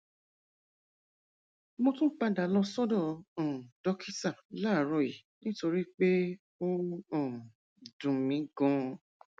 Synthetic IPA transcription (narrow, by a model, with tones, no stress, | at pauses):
mo˧tũ˦k͡pa˦da˨˦lɔ˧sɔ˦dɔ̃˦˨ɔ̃˨dɔ˦kʰi˦sa˦˨la˦˨ɾɔ˧˨ji˨nĩ˦to˧ɾi˦k͡pe˦ | o˦ɔ̃˦˨ | dũ˨mĩ˨˦ɡɔ̃˨˦